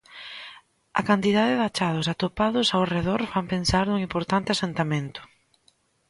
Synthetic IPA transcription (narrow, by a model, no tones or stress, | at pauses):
ɐ̰kant̪iðaðɪðat͡ʃað̞ʊsat̪opaðʊsawreðɔɾfampensaɾnuŋimpoɾt̪ant̪ɪasent̪ament̪ʊ̥